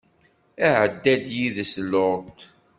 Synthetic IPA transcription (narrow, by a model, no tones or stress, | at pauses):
æʕəd̪ːæd̪jiðəslʊt̪